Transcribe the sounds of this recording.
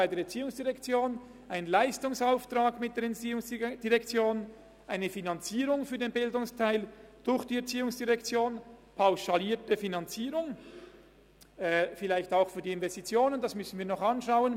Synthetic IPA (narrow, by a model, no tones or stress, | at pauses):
aɪdeːɾɛɐt͡siːʊŋsd̥iʁɛkt͡sjoːn | ʔaɪnənlaɪstʊŋsaʊftʁ̥aːɡmɪt̚d̥eːɐɾɛiʊŋsd̥iʁɛkt͡sjoːn | ʔaɪnəfinɑnt͡siːʁʊŋfyːdeːnbɪldʊŋstʰaɪld̥ʊɾçd̥iːɛɐt͡siːʊŋsd̥iʁɛkt͡sjoːnpʰaʊʃaliːɐtəfinɑnt͡siːʁʊŋ | ʔɛfɪlaɪçtaʊxfyːdiːɪnvɛstit͡sjoːnənd̥ɑsmʏsn̩viːɐnɔχɑnʃaʊən